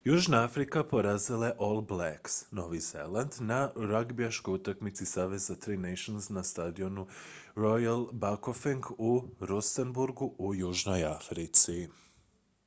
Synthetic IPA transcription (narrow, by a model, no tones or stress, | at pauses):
juːʒnaafɾikapo̞ɾazilaeʔolˠblaksno̞ʋize̞̰land̪naɾaɡbiaʃkojut̪akmit̪sisaːʋe̞zat̪ɾinajʃonsnast̪ad̪io̞nuɾo̞jalˠbakofiŋɡuɾusenbuɾɡuujuːʒno̞jafɾit̪si